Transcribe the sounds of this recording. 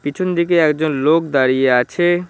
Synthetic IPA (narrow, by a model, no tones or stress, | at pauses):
pit͡ɕʰond̪ik̬eɛkd͡ʑonlokd̪aɾijeat͡ɕʰe